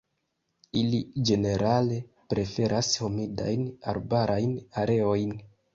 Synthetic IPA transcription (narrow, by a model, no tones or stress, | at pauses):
ilid͡ʒe̞ne̞ɾale̞ | pɾe̞fe̞ɾʔasho̞mida̰jna̰ɾbaɾʔajnaɾe̞o̞jn